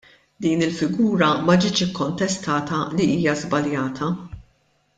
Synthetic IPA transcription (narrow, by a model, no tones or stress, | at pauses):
d̪iːnɪlfɪɡuːɾɐmɐd͡ʒɪːt͡ʃɪkːɔnt̪ɛst̪ɐːt̪ɐliʔiːjɐzbɐljɐːt̪ʰɐ